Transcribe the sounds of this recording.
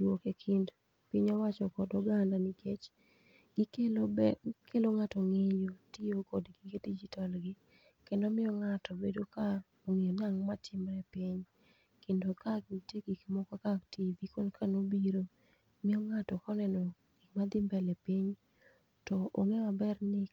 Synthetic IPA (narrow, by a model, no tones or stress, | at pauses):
wokekʰind | piɲɔwat͡ʃɔkɔdɔɡandanikʰet͡ʃ | ɡike | kʰeloŋatɔŋejotijokɔdɡikedid͡ʒitalɡɪ | kɛndomɪɔŋatɔbedoka | oŋejonaŋmatʰɪmɾɛpiɲ | kendokak̚iteɡikmɔkakaktivikonkʰanobiɾo | mɪɔŋatɔkɔnɛnɔ | ɡ̥ik̚mad̪ɪmbɛlɛpiɲ | tɔʔoŋɛabɛrnɪk